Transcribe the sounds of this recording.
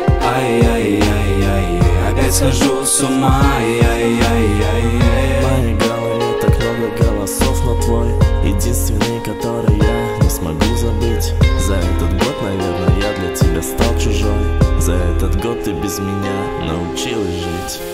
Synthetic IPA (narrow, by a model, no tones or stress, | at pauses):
a | a | a | skɐʒu | sʊma | manʲɪɡalɨɪt̪aknablʲəɡalˠɐsofnɐt̪vojjɪ̰dʲinst̪vʲɪnːɨjkɐt̪o̞ɾɨjja | nʲɪsmɐɡuzɐbɨtʲzɐɛt̪ət̪ɡo̞t̪nɐvʲernʊjjad̪lʲɐtʲɪbʲast̪alˠt͡ɕʊʐomzɐɛt̪ət̪ɡot̪ːɨbʲɪzmʲɪnʲa | nə̰ʊt͡ɕilˠsʲʐɨtʲ